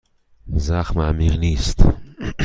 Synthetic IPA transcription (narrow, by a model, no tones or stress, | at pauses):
zaχmamiʁlist̪